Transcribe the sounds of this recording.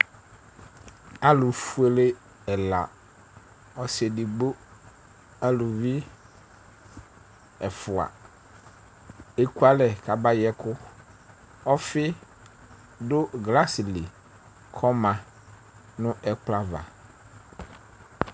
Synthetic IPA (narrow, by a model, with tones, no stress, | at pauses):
a˨lʊ˨fu˦e˨le˦ | ɛ˨la˨ | ɔ˨se˨di˨ɡ͡bo˦ | a˦lʊ˨vɪ˦ | ɛ˨fʊ˨a̰˨ | e˦ku˦a˦lɛ˨kʰa˨ba˦jɛ˦kʊ˦ | ɔ˦fɪ˦ | dʊ˦ɡla˦sɪ˨li˨ | kʰɔ˦mã˨ | nʊ̃˦ʔɛ˦k͡pla˨va̰˨